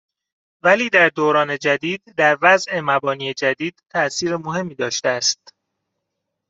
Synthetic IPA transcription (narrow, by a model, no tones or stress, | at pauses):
væliːd̪æɾd̪oːɾɒːne̞d͡ʒæd̪iːd̪̚d̪æɾvæzʔe̞mæbɒːniːed͡ʒæd̪iːd̪̥t̪ʰːæʔsiːɾemohe̞mːiːd̪ɒːʃt̪eæst̪